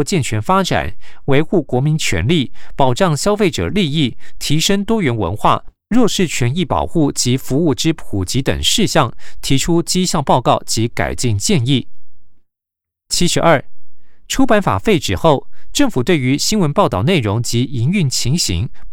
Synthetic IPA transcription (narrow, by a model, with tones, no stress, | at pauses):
t͡ɕjɛ˥˩nt͡ɕʰɥɛ˧˥nfa˥ʈ͡ʂa̰˨˩˦nwe˧˥ɪxu˥˩kwɔ˧˥mi˧˥nt͡ɕʰɥɛ̰˧˥nli˥˩pɑ˨˩ʊʈ͡ʂɑ˥˩ŋɕjɑ˥ʊfe˥˩ɪʈ͡ʂɤ̰˨˩li˥˧i˥˩t̪ʰi˧˥ʂə˥ŋt̪wɔ˥ɥɛ˧˥nwə̰˧˥nxwa̰˥˩ | ɻwɔ˥˧ʂɻ̩˥˩t͡ɕʰɥɛ˧˥ni˥˩pɑ̰˨˩ʊxu˥˩t͡ɕi˧˥fu˧˥u˥˩ʈ͡ʂɻ̩˥pʰu˨˩t͡ɕi˧˥t̪ə̰˨˩ŋʂɻ̩˥˧ɕjɑ˥˩ŋt̪ʰi˧˥ʈ͡ʂʰu˥t͡ɕi˥ɕjɑ˥˧ŋpɑ˥˧ʊkɑ˥˩ʊt͡ɕi˧˥ka̰˨˩ɪt͡ɕi˥˧ŋt͡ɕjɛ˥˧ni˥˩ | t͡ɕʰi˥ʂɻ̩˧˥ʔɐ˞˥˩ʈ͡ʂʰu˥pa˧˥nfa̰˨˩fe˥˩ɪʈ͡ʂɻ̩˨˩xo˥˩ʊʈ͡ʂɤ˥˩ŋfu˨˩t̪we˥˩y˧˥ɕi˥nwə˧˥npɑ˥˧ʊt̪ɑ˥˩ʊne˥˩ɪɻʊ˧˥ŋt͡ɕi˧˥i˧˥ŋy˥˩nt͡ɕʰi˧˥ŋɕḭ˧˥ŋ